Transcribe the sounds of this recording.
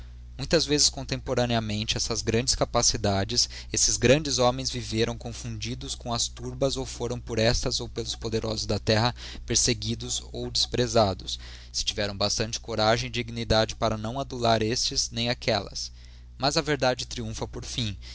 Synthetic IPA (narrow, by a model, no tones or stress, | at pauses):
mũj̃t̪ɐzvezɪskõnt̪ẽmpoɾɐneɐmẽnt͡ʃɪɛsɐzɡɾɐ̃d͡ʒɪskapasid̪ad͡ʒɪs | esɪzɡɾɐ̃nd͡ʒɪzomẽj̃zviveɾɐ̃w̃kõfũd͡ʒid̪ʊskõw̃ɐst̪uɾbɐzowfoɾɐ̃w̃poɾɛst̪ɐzowpelʊspod̪eɾʔɔzʊzd̪ɐt̪ɛɦɐ | peɾseɡid̪ʊzowd͡ʒɪspɾezad̪ʊs | sɪ̥t͡ʃivɛɾɐ̃w̃bast̪ɐ̃nt͡ʃɪ̥koɾaʒẽj̃d͡ʒɪd͡ʒiɡinid̪ad͡ʒɪpaɾɐnɐ̃w̃ad̪ulaɾest͡ʃɪznẽj̃akɛlɐ̰s | mɐzɐveɾd̪ad͡ʒɪt̪ɾiũfɐpoɾfĩ